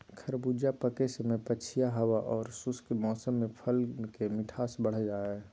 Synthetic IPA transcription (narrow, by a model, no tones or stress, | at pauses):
kʰəɾbud͡ʒapəkesəmẽpəːt͡ʃʰijaɦəwaʔɔːɾsuskemɔːsəmːẽpʰəlkemɪʈʰaːsbəɽ̤d͡ʒaːe